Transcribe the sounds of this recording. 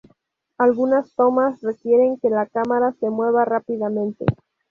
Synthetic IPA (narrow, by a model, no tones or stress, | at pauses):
alɣunast̪o̞masre̞kje̞ɾe̞ŋke̞lakamaɾase̞mwe̞β̞arapiðamẽnt̪e̞̰